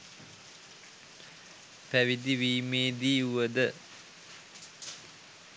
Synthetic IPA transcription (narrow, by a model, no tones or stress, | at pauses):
pæʋid̪iʋiːmeːd̪iːuʋəd̪ə